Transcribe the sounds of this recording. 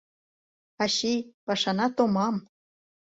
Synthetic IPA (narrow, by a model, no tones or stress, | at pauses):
ɑɕijpɑʃɑnɑt̪omɑm